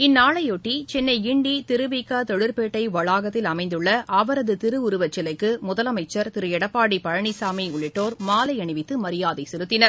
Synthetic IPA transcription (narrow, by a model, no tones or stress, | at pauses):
ɪnːaːɭɐjoːʈːit͡ʃɛnːɐɪɪɳɖit̪ɪɾɯʋɪkːaːt̪ɔɽɪɾpeːʈːɐɪʋɐɭaːɣɐt̪ːɪlɐmɐɪnd̪ɯɭːɐʔɐʋɐɾɐðɯt̪ɪɾɯʊɾʊʋɐt͡ʃːɪlɐɪkːɯmʊðɐlɐmɐɪt͡ʃːɐɾt̪ɪɾɯjɛɽɐpːaːɽipɐɻɐɳisaːmiʊɭːɪʈːoːɾmaːlɐɪɐɳɪʋɪt̪ːɯmɐɾɪjaːðɐɪsɛɾɯt̪ːɪnɐɾ